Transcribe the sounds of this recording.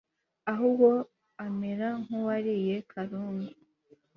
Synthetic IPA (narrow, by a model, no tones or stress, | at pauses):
aɦubɡo | ameɾaŋ̥huwaɾije̞kʰaɾuːnɡu